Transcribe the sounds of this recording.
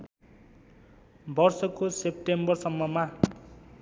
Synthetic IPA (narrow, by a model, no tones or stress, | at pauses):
bʌrsʌkosep̚ʈembʌrsʌmːʌma